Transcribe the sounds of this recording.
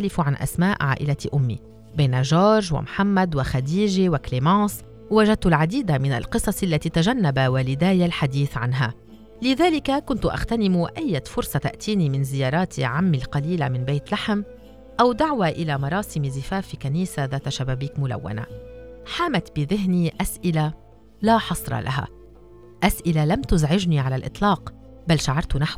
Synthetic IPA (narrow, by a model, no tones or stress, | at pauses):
alɪfuʕanʔa̰smaːʔʕa̰ːʔɪlat̪ʔʊmːḭ | beːnaʒoːɾɾʒwa̰mħamːad̪waxad̪iːʒiwaklemɑːs | waʒad̪̚t̪ʊlʕad̪iːd̪amɪna̰lqɨsˤɑsˤʔalːat̪iːt̪aʒanːabawalɪd̪aːjalħad̪iːθʕanɦa | lɪðaːlɪkakʊnt̪ʊʔa̰xt̪anɪmuʔajːafʊɾsˤɑt̪aʔt̪iːnimɪnzɪjɑːɾˤɑːt̪ʰiʕamːilqɑliːlamɪnbeːt̪laħm | ʔawd̪aʕwaʔɪlamɑɾˤɑːsɪmzɪfaːfikaniːsaðaːt̪aʃabaːbiːkmʊla̰wːa̰na̰ħaːmat̪bɪðɪɦniʔasʔɪla | laħɑsˤɾˤɑ̰lʔaɦa̰ | ʔasʔɪlalamt̪ʊzʕɪʒniʕalalʔɨ̰t̪ˤlɑːq | balːʃaʕɑɾˤt̪ʊnaħw